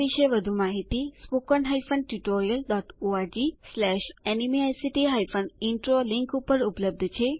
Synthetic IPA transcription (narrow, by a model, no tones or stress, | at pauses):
iʃəjʋəd̪ʱumaɦit̪ispokɔnɦaifən̚ʈuʈoɾijəlɖɔʈoaɾd͡ʒislɛʃɛnimiajsiʈiɦajfənɖiɳʈɾolɪŋkupəɾupləb̚d̪ʱt͡ʃʰe